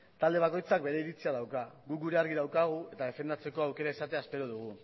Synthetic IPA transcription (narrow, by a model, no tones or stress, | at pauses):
t̪ald̪e̞β̞ako̞jt͡sak̚be̞ɾe̞iɾit͡siað̞awkaɣukɡuɾe̞aɾɣiðawkaɣ̞ue̞t̪aðe̞fe̞nd̪at͡se̞ko̞awke̞ɾaeisat̪e̞aespe̞ɾoð̞uɣ̞u